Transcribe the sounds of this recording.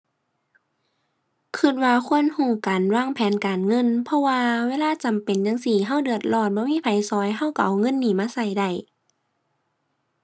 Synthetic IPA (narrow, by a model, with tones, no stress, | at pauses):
kʰɯ˧˩t̪̚waː˧kʰu˧˥˨ə˨nhuː˧˩kaː˨nwaː˧˩˨ŋpʰɛː˨˦nkaː˨nŋɤ˧˥˨npʰɔ˧waː˧weː˧˥˨laː˧˥˨t͡ɕa˨mpe˨njaː˧˨ŋsiː˧˨˩ɦa˧˥˩wdɯ˨˧˩ət̪̚lɔː˧˩t̪̚bɔː˧˦miː˧˥˨pʰa˨˩jsɔː˧˦jɦa˧˥˩wka˧˩ʔa˨˩wŋɤ˧˥˨nːiː˧˩maː˧˥˨sa˧˩jda˧˩j